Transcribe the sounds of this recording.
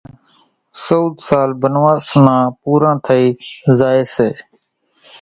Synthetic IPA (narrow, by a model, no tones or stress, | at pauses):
souːd̪saːlbənʋaːsmãːpuːɾãːt̪ʰəiːzaːeːseː